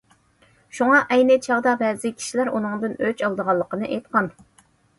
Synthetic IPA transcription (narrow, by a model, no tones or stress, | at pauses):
ʃuŋɑʔɛjnɨt͡ʃʰɑʁd̪ɑbɛːzɪkʲʰi̥ʃilæɾunɨŋd̪ɨnøt͡ʃɑlˠd̪əʁɑlˠːəqənɨʔejt̪̚qɑn